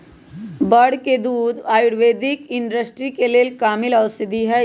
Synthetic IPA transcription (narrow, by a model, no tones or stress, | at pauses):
bəɽ̤ked̪uːd̪aːjʊɽʋeːd̪ɪkɪɳɖəsʈɾikeleːlkaːmɪlɐwsɪd̪iɦɛ